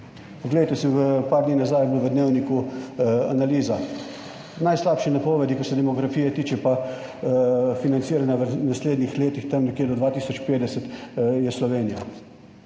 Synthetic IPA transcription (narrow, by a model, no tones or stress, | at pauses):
pɔɡleːt̪ɛsiʋəpaɾd̪niːnazajblʋəd̪neːwniku | a̰naliːza | najslaːpʃinapɔːʋɛd̪ikaɾsɛd̪ɛmɔɡɾafiːjɛt̪iːt͡ʃɛpa | finant̪siːɾanjaʋənasleːd̪nixleːt̪ixt̪ɐmnɛkjeːd̪ɔd̪ʋaːt̪iːsɔt͡ʃpeːd̪ɛsət̪jɛslɔʋeːnija